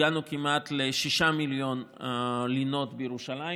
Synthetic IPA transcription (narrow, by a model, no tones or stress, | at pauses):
anukimat̪leʃiʃamiljo̞nlino̞t̪bejeʁuʃalai